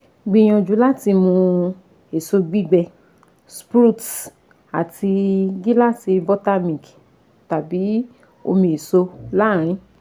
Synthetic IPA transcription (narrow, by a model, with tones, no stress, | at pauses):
ɡ͡bi˧˦j̃ɔ̃˧d͡ʒu˨˦la˦˨ti˧mũ˧ | e˨so˧ɡ͡bi˦˨ɡ͡bɛ˧ | spɾu˦˨t | a˨ti˧ɡi˦la˦˨si˧bɔ˦ta˦mĩ˨ki˨ | ta˨bi˨˦ | o̰˧mĩ˧e˨so˧la˦˨ɾ̃ĩ˨˧˦